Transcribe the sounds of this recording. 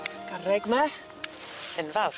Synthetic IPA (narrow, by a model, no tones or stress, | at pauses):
ɡ̥arɛɡma | ənvawr